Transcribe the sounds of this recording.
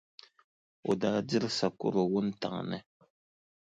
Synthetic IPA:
o̰˨da˨di˦ɾsa˨kṵ˦ɾo˨wu˦n˦ta̰˨ŋ˨nə̰˦

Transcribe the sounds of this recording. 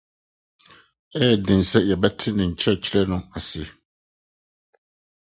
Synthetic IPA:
ɛː˦˨dɪ̃˨n̩˨sɛ˦jɛ˨bɛ˦tʰɪ˦nɪ̃˨ɲ̩˨t͡ɕʰɛ˦˨t͡ɕʰɪ˦ɾɛ˦nʊ̃˦a˨sɪ˨ɛ˨

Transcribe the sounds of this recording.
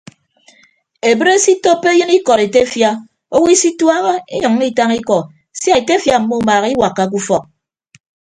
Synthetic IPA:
e˨bə˦ɾe˦si˦to˦pːe˦jɨ˦ni˦kɔ˨ɾe˨te˦fja˦ | o˦wi˦si˦twa˦ɣo˦e˦ɲʌ˨ŋː˦i˦ta˦ŋi˦kɔ˨ | sja˦e˨te˦fja˨m̩˨mːo˦maː˨ɣi˦wa˨kːa˦k̬u˦fɔ˨k̚

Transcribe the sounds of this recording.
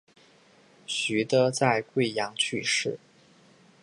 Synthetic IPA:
ɕy˧˥t̪ə˧t͡sa˥˧ɪkwe˥˩ɪjɑ˧˥ŋt͡ɕʰy˥˧ʂɻ̩˥˩

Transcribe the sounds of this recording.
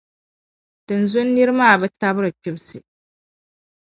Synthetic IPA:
d̥ɨ˨nzʊ˦nː˦i˦ɾɨ˦maː˦˨bɛ˦ta˦bɨ˦ɾɨ˨t͡ʃʊ˦bsɨ˨

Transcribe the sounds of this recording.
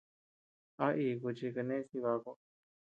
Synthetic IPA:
a˦ʔiː˧ku˧t͡ʃi˧ke˧nẽ˦si˧βa˧˦˧ko˧

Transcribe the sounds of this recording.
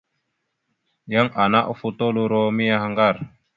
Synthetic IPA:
ja˦ŋʔa˨na˦ʔfu˦t̪o˦lu˦ɾo˦mi˦ja˦ɦa˦ŋɡa˦˨r

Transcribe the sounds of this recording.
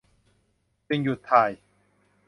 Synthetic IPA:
t͡ɕi˧ŋju˨˩t̪ʰːaː˨˩j

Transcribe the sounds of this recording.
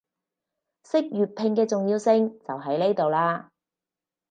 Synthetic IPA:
sɪ˥k̚jyː˨˩t̚pʰɪ˧ŋkɛː˧t͡sʊ˨ŋjiː˧wsɪ˧ŋt͡sɐ˨wɦɐ˨˥jne˥jt̪o˨wlaː˧

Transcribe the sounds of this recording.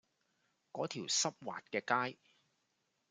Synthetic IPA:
kɔː˨˥t̪ʰiː˨˩wsɐ˥p̚wa̰ː˨t̚kɛː˧kaː˥j

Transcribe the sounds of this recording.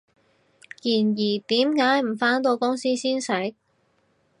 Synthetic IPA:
jiː˨˩njiː˨˩t̪iː˨˥mkaː˨˥jm̩˨˩faː˥nt̪o˧wkʊ˥ŋsiː˥siː˥nsɛ˨˥j̚

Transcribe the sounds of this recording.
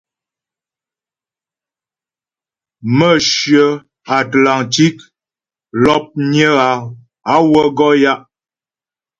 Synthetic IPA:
mə˦ʃɥə˨ | a˨tla˨ŋti˦k | lɔ˦p̚ɲə˦ɣa˨ | a˦wə˦ɡɔ˦ja˦ʔ

